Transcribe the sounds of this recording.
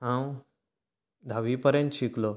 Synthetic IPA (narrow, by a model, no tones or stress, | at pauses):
ɦãw | d̪ʱaʋipəɾjə̃nt̪ɕiklo